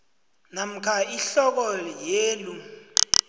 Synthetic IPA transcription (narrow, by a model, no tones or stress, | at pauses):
nam̩kʰaiɬɔk̬ɔjeːlu